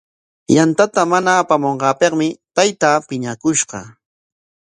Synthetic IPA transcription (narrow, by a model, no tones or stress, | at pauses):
jant̪at̪amanaːpamoɴɢɑːpeqmɪt̪ajt̪aːpɪɲakʊʃɢɑ̰